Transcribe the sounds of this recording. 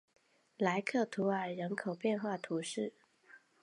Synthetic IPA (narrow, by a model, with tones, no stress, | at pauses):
la˧˥ɪkʰɤ˥˩t̪ʰu˧˥ə˞˨˩ɻə˧˥nkʰo˨˩ʊpjɛ˥˧nxwa˥˩t̪ʰu˧˥ʂɻ̩˥˩